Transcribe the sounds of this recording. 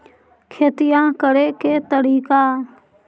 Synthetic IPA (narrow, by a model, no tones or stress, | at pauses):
kʰeːt̪ɪjãːkəɾeːkeːt̪əɾiːkaː